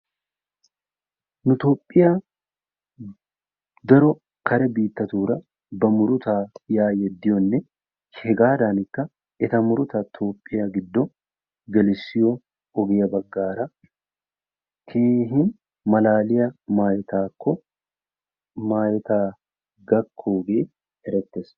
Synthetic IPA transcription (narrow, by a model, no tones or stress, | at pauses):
nʊt̪oːpʼːɪja | d̪ɐɾɔ | kɐɾɛbiːt̪ːɐt̪uːɾɐ | bɐmʊɾʊt̪aːjaːjɛd̪ːɪjɔnːɛ | hɛɡaːd̪aːnɪkːɐ | ɛt̪ɐmʊɾʊt̪ɐt̪ʰoːpʼːɪjɐɡɪd̪ːɔ | ɡɐlɪsɪjɔ | ɔɡɛjɐbɐɡːaːɾɐ | kʰeːɦɪn | mɐlaːlɪjɐmaːjɪt̪aːkːɔ | maːjɛt̪aː | ɡɐkʰːoːɡe̞ː | ɛɾɛt̪ːes